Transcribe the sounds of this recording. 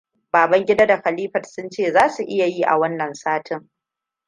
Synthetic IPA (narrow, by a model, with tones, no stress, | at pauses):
baː˨bɐ˦ŋɡʲɪ˦da˦da˨xa˨liː˦ɸɐ˨tsʊ˦nt͡ʃeː˦˨zaː˦su˨ʔɪ˦ja˨jiː˦ʔa̰˨wɐ˦nːɐ˨nsaː˦tʰɪ˦ŋ